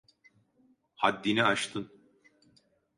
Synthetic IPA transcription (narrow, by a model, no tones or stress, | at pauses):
had̪ːiniat͡ʃt̪ʰɯn